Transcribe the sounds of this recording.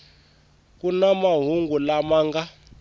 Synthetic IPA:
k̬unamaɦuŋɡulamaːŋɡa

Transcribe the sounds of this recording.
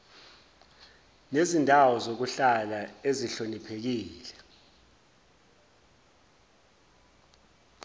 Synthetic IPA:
nezindʱawɔzok̬uɬalaeziɬonipʰek̬iːlɛ

